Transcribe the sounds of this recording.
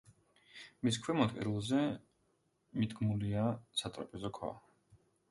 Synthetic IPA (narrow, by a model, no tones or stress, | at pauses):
mis̬kʰwɛmɔt̪̚ʼkʼɛ̰ɾilˠzɛ | mid̪ɡmuliasat̪ʼɾa̰pʼɛzɔkʰwa̰